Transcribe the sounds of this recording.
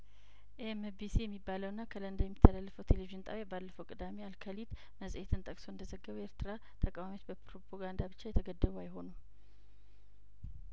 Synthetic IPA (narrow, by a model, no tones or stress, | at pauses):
ʔemebisijɛmːibːaləwɨnːakʰələnd̪əjɛmːit̪ʰːəlalːəfəwt̪ʰeleviʒɪnt̪ʼa̰βjabalːəfəwkʼɨd̪amealkʰəlid̪ | məsʼet̪ʰɨnt̪ʼəkʼso̞ɨnd̪əzəɡːəβeɾt̪ɨɾa | t̪ʰəkʼawamio̞t͡ʃbəpɾopʰoɡand̪abɨt͡ʃːajɛt̪ʰəɡəd̪ːəβajɪɦo̞nu